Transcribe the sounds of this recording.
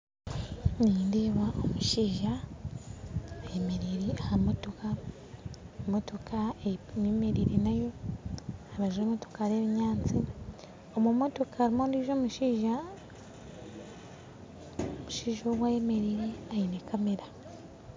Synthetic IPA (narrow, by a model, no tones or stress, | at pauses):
niːndeβaʔomuʃiːʒa | jeme̞ɾiɾiahamo̞to̞ka | moto̞kaememeɾiɾinajo̞ | aβaʒweːmoto̞kaɾeːβiɲaːnt͡si | omumo̞to̞kʰaːɾimoːndiʒo̞ːmuʃiːʒa | omuʃiːʒowajeme̞ɾiːɾiajinekameɾa